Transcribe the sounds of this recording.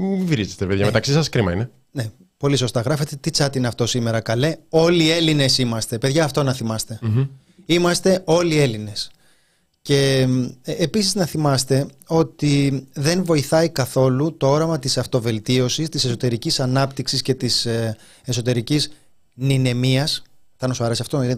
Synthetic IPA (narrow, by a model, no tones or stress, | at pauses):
iviɾizet̪epeðʝɐmet̪ɐksisɐskɾimɐ̰ḭne | ne | po̞liso̞st̪ɐɣɾɐfe̞t̪e̞t̪it͡sɐt̪ineɐft̪o̞sime̞ɾɐkɐle̞o̞lie̞line̞simɐst̪e̞pe̞ðʝɐːft̪o̞nɐθimɐst̪e̞ | imɐst̪e̞o̞lie̞line̞s | ce̞ː | pisiznɐθimɐst̪e̞ | o̞t̪iðe̞nvo̞iθɐikɐθo̞lut̪o̞o̞ɾɐmɐt̪isɐft̪o̞ve̞lt̪io̞sist̪ise̞so̞t̪e̞ɾicisɐnɐpt̪iksisce̞t̪is | e̞so̞t̪e̞ɾiciz | nine̞miɐs | θɐnosoɐɾe̞siɐft̪oine